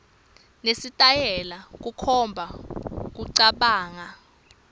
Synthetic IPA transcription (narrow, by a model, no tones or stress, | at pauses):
nesitʼajɛlak̬ukʰɔmbʱak̬uǀaɓaːŋa